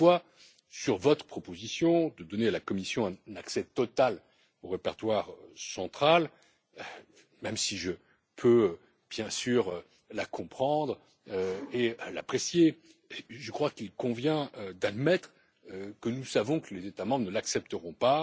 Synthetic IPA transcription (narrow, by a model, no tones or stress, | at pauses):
wa | syʁvɔt̪χə̥pχɔpozisjɔ̃d̪əd̪ɔnealakɔmisjɔ̃ɛ̃naksɛt̪ɔt̪al | oʁepɛʁt̪waʁsɑ̃t̪χal | ø | mɛmsiʒə | pʰøø | b̥jɛ̃syʁ | lakɔ̃pχɑ̃d̪ʁ | øela̰pχesje | ʒəkχwakilkɔ̃vjɛ̃ød̪ad̪mɛt̪χ | økənusavɔ̃kəlezet̪amɑ̃bʁənəlaksɛp̚t̪əʁɔ̃pa